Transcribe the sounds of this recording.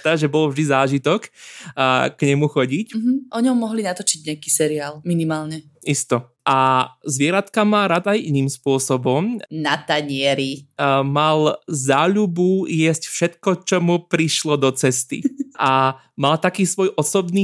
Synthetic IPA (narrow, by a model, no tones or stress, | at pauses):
aʒɛbɔlvʒd̪izaːʒit̪ɔk | kɲɛmuxɔɟicm̩ɦ̩ʔɔɲɔmmːɔɦlinat̪ɔt͡ʃiɟɲɛakiːsɛɾiaːlminimaːlɲɛ | ʔist̪ɔ | ʔazʋɪɛɾat̪kamaːɾad̪ajʔiniːmspʊɔsɔbɔmnat̪aɲɪɛɾimalzaːʎubujɛscfʃɛt̪kɔt͡ʃɔmupɾiʃlɔd̪ɔt͡sɛst̪ḭʔa | malt̪akiːsʋɔjʔɔsɔbniː